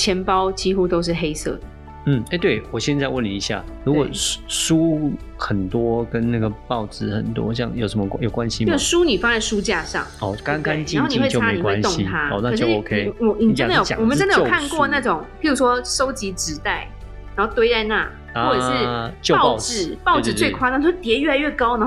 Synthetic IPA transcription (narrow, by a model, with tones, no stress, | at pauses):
t͡ɕʰjɛ˧˥npɑ˦ʊt͡ɕi˥xu˦t̪o˥ʊʂ̬ɻ̩˥˩xe˥ɪsɤ̰˥˩d̪ə˩ | n̩˥˩e˥˧˩t̪we˥˩ɪwɔ˨˩ɕjɛ˥˧nt͡sa˥˧wə˥˨ni˨˩i˧˥ɕja̰˥˨˩ɻu˧˥kɔ˨˩ʂu˦ | xə˨˩nt̪wɔ˦kə˦nna˥˩ɡə˩pɑ˥˨˩ʊt͡sɹ̩˧˥xə̰˨˩nt̪wɔ̰˥˦ɕjɑ̰˥˩ŋjo˨˩ʊʂə˧˦mə˧jo˨˩ʊkwa˦nɕi˧˥˩ʂu˦ni˨˩fa˥ŋt͡sa˥˩ɪʂu˦t͡ɕja˥˧ʂɑ̰˥˨˩ŋɔ˥˧˩ka˥˦ŋka˦˥nt͡ɕi˥˨˧xo˥˩˨ni˨˥˧wt͡ɕo˨˧a˥e˥e˧i˨kwa˦n˧ʊ˥ŋi˦tʰa˥ɔ˧na˥˧ɤ˩ʂt͡ɕʂo˥˩o˧˥kʰe˦ɪ˨˩ni˨˩ə˥d̪ə˨jo̰˨˩˨wɔ˨mə˨˦ʈ͡ʂə˥ndə˨˥˧kʰnkwɔ˥˧na˥˩ʈ͡ʂʊ˨˩˦ŋpi˥˩ɻu˧˥ʂwɔ˥ʂo˥ʊt͡ɕi˧˥ʈ͡ʂɻ̩˧˥t̪a˥˩ɪ | ɻa˨˧˥nxo˥˩ʊt̪we˥ɪt͡sa˥˧ɪna̰˥˩ | ɔ˥˩ɻ̩˥˩t͡ɕjo˥˧ɑ˥˧˥ʊɻ̩˨˩pɑ˥ʊɹ̩˨˩t͡swe˥˧ɪ˩kʰwa˥˧n˥˧˩t͡ɕo˥˩t̪jɛ˧˥ɥɛ˥˩a˧ɪɥɛ˥˩kɑ˥ʊn˧˦˥